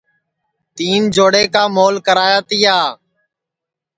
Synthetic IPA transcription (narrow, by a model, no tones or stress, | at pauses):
t̪iːnd͡ʒoːɽeːkaːmoːlkəɾaːjaːt̪iːaː